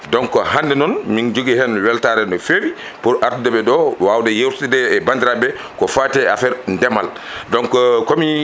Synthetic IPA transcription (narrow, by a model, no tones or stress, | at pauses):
dɔŋkɔhandɛnɔnmind͡ʒuɡihɛnwɛltaɾɛndɔfewi | puɾʔaɾtudɛbɛɗɔwawdɛjewtidɛɛbandiɾabɛ | kɔfaːtɛa̰fɛɾndɛmal | dɔŋkɔkomi